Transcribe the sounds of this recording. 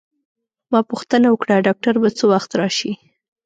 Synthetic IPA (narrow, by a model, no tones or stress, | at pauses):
mɑpuxt̪ənawəkɽaɖɑk̚ʈaɾbat͡sowaxt̪ɾɑʃi